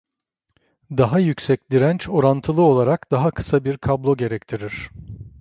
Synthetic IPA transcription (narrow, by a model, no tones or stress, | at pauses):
d̪aɦajycsɛc̚lʲiɾænt͡ʃo̞ɾant̪ʰɯlˠɯo̞lˠaɾakd̪̥aɦakʰɯ̥sabiɾkʰablˠo̞ɟe̞ɾɛct̪ʰiɾiɾ̝̥